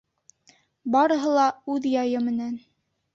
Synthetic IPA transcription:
bɑɾɤ̆ɦɤ̆lˠɑʉðjɑjɤmɘ̆næn

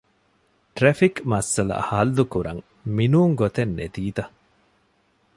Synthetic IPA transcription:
ʈɾefikmɐsːɐlɐ̰hɐlːukuɾɐ̰ŋ | minuːŋɡot̪enːḛd̪iːd̪ɐ

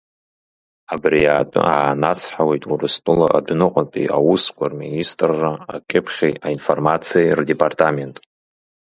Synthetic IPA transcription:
abriaːtʼɨ̰aːnat͡sʰħawejtʼurɨstʼɨlaʔadnɨqʷʼanpʼḭʔawuskʷʰʼarministʼrːaakʲʼɪpʰχʲejainformat͡sʰijajrdepʼartʼame̞ntʼ

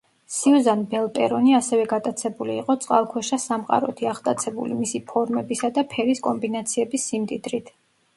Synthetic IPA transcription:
siuzanbɛlˠpʼɛɾɔniasɛvɛɡat̪ʼat̪sʰɛbuliːqʼɔt̪sʼqʼalˠkʰwɛʃasamqʼa̰ɾɔt̪ʰiaχt̪ʼat̪sʰɛbṵlimisipʰɔɾmɛbisad̪apʰɛɾiskʼɔmbinat̪sʰiɛbisːimt̪ʼid̪ɾit̪ʰ

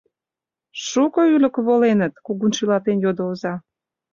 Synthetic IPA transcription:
ʃukoylə̆kβolenət̪kuɣunʃilɑt̪enjod̪oozɑ

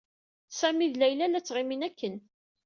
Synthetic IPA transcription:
sæmiðlæjlælæt͡sːʁɪminækːən

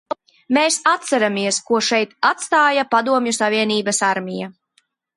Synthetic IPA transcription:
meːsat̪saɾamiɛskuɔʃɛjt̪at̪st̪aːjapad̪uɔmjusaviɛniːbasaɾmija

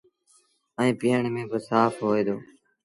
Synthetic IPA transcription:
əĩːpiːəɳmẽːbəsaːpɦoːeːd̪oː

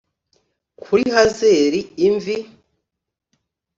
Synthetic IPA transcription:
kʰuɾihazeːɾiːɱvi

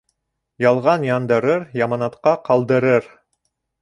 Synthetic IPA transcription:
jɑlˠʁɑnjɑnd̪ɤ̆ɾɤɾjɑmɑnɑt̪qɑqɑlˠd̪ɤ̆ɾɤɾ

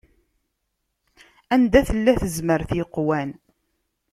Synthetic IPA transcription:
ænd̪æθəlːæθəzməɾθiqwæn

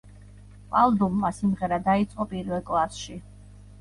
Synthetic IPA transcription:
pʼalˠd̪umːasimʁɛɾad̪ait̪sʼqʼɔpʼiɾvɛlˠkʼlˠasʃi

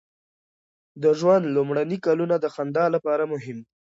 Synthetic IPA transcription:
d̪əʒwand̪lʊmɽanikalunad̪əxand̪ɑlapɑɾamʊɦɪm

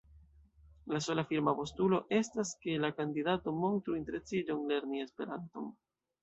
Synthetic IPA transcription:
laso̞lafiɾmapo̞stulo̞ʔe̞staske̞lakandidato̞mo̞ntɾuinte̞ɾe̞t͡sid͡ʒo̞ŋle̞ɾnie̞spe̞ɾanto̞̰n

